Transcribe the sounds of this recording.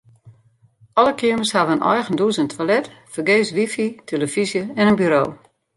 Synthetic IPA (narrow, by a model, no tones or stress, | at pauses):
ɔləkʰiəməshaʋəənʔɔ̰jɣənduəsəntʰʋalɛtfərɡeːsʋifitʰeləfizjəɛnənbyɾoː